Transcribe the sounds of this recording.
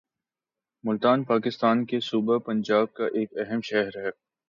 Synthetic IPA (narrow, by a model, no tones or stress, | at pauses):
mʊlt̪aːnpaːkɪst̪aːnkesuːbepɐ̃nd͡ʒaːb̚kaʔeːkɛɦəmʃɛɦɾɦɛː